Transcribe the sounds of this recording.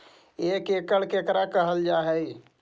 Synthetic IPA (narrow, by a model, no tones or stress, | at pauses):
eːkeːkəɽkeːkɾakəɦəld͡ʒaːɦɛi